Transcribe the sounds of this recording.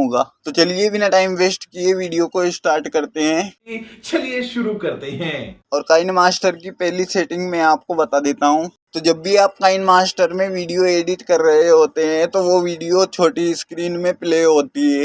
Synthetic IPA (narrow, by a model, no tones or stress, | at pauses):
ɦoːɡaːt̪ot͡ʃɐliebʱinaʈaːɪmʋeːsʈkieʋiːɖijokoɪsʈaːɾʈkɐɾt̪eɦɛ̃ːt͡ʃɐlieʃʊɾukɐɾt̪eɦɛ̃ːɔːɾkaːɪnmaːsʈəɾkipɛɦliseːʈɪ̃ŋɡmɛ̃aːp̚kobɐt̪ad̪eːt̪aɦũː | t̪od͡ʒɐbːʱiaːp̚kaːɪnmaːsʈəɾmẽʋiːɖijoeːɖɪʈkɐɾːɐɦeɦoːt̪eɦɛ̃t̪oʋoʋiːɖijot͡ʃʰoːʈiɪskɾiːnmẽpleːɦoːt̪iɦɛː